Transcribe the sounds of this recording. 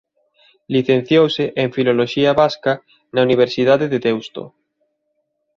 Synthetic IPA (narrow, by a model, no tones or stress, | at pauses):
liθẽn̟θjowseʔeŋfiloloʃiaβaska | nauniβ̞eɾsið̞aðeðet̪ɛwst̪o̰